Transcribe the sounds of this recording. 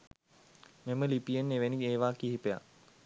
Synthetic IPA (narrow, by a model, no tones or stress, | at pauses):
meməlipijenːeʋenieːʋaːkiɦipeja̰